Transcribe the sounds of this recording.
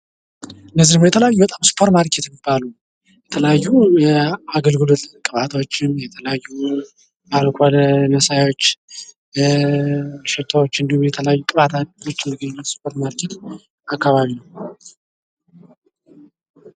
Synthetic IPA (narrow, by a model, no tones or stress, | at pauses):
ɨnːəzːimɨjɛt̪ʰələjajːubət̪ʼamspʰoɾt̪maɾkʰet̪mibːalu | jɛt̪ʰələjajːujɛaɡəlɡɨlot̪kʼɨβat̪ʰot͡ʃːɪnjɛt̪ʰələjajːu | alkʰʷalnəsajot͡ʃː | ʃɛt̪ʰawot͡ʃːɨnd̪ihumjɛt̪ʰələjajːukʼɨβat̪ʰanwɨt͡ʃʼːɪmːiɡəɲːɪbːət̪spʰo̞ɾt̪maɾkʰet̪ | akːaβaβinəw